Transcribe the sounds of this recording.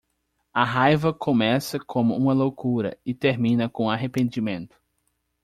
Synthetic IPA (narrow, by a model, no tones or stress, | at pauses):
ɐɦajvɐkʰõmɛsɐkʰõmʊũmɐlowkuɾɐ̰ɪt̪eɾmĩnɐkõaɦepẽnd͡ʒimẽnt̪ʊ̥